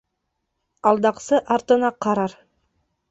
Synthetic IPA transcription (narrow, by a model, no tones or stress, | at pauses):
ɑlˠd̪ɑqsɤʔɑɾt̪ə̆nɑqʰɑɾɑɾ